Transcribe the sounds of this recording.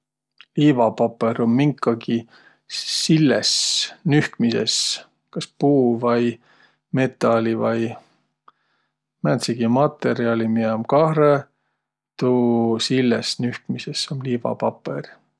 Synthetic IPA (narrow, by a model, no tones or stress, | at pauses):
liːvɑpɑpːˑeɾomːiŋkːˑɑɡi | silːesnyhkmisḛs | kɑspuːvɑj | me̞t̪ˑːɑlivɑj | mænt̪siɡ̥imɑt̪ːˑe̞ɾiɑlʲimiɑmkɑhre | t̪usilːesnyhkmisesomliːvɑ̰pɑpˑer